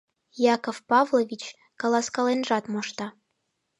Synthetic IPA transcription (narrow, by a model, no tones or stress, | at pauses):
jɑkofpɑvlˠovʲit͡ɕ | kɑlˠɑskɑlenʒɑt̪moʃt̪ɑ